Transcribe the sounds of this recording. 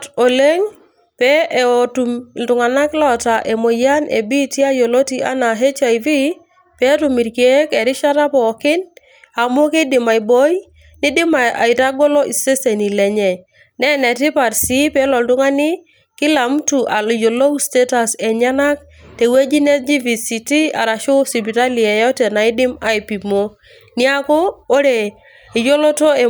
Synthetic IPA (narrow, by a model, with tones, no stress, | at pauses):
to˨le˦ŋ | pɛ˦˨otu˨mntʊ˨ŋa˨na˦klɔ˦ta˨ʔe˨mo˨ja˦nʔḛ˨bi˦ti˦a˦jo˨lo˦ti˦ʔa̰˦na˨ɦe˦t͡ʃa˨jvi˦ | pe˦tu˨mi˨ɾki˨e˦ke˨ɾɪ˦ʃa˦ɾa˦pɔ˨kɪ˦n | a˨mu˦ki˦dɪ˨ma˨i˨bo˦j | ni˦dɪ˦ma˨a̰˨i˨ɾa˦ɡo˦lo˦ʔi˨se˦se˨ni˨lɛ˨ɲɛ˨ | nɛ˦nɛ˨ti˦pa˨ɾsi˦pe˦lɔ˨ldu˦ŋa˦ni˦ | kɪ˦la˨m˦tu˨ʔa˨ljo˨lo˦wste˦ta˨se˨ɲa˦na˦k̚ | te˨we˦d͡ʒi˦ne˦sd͡ʒi˦vi˨si˨ti˦a̰˨ɾa˨ʃo˦si˨bi˨ɾa˦li˨e˨jɔ˦te˨na˨i˦dɪ˦ma˨i˨pi˨mo˦ | ni˦a˦ko˦o˦ɾe˨ | i˨jo˦lo˦to˦e˨